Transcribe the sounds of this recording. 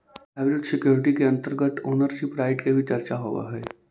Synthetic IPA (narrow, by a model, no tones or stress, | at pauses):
ɛːʋɪlɪʈsɪkjoːɾɪʈikeɐ̃nt̪əɾɡət̪oːnəɾʃɪpɾaːɪʈkebʱit͡ʃɐɾt͡ʃaɦoːʋa̰ɦɛː